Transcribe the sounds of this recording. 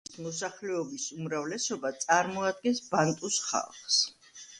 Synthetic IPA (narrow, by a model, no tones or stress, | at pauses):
smɔsaχlɛɔbisumɾavlɛsɔbat̪sʼaɾmɔad̪̚ɡɛnsbant̪ʼusχa̰lˠχs